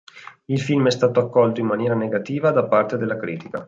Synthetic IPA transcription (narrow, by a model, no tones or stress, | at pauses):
ilfilmɛst̪aːt̪oakːɔlt̪oinmːanjɛːɾaneɡat̪iːvad̪apːart̪ed̪elːakɾiːt̪ika̰